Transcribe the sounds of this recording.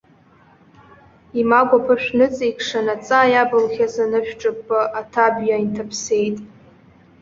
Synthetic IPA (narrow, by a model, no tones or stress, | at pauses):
imaɡʷapʰɨʃᶣnɨt͡sʼikʰʂanat͡sʼajabɨlχʲazanɨʃᶣʈ͡ʂʼɨpʼːɨʔatʰabjaintʰapʰse̞jtʼ